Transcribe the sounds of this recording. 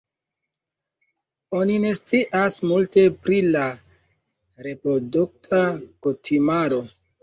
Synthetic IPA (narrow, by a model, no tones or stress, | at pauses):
o̞nine̞st͡siʔasmulte̞pɾila | ɾe̞pɾo̞duk̚tʰakutʰimaɾo̞